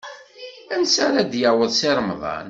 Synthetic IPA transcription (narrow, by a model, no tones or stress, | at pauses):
ænsaɾad̪jəwəðˤsɪɾˤmðˤɑ̰n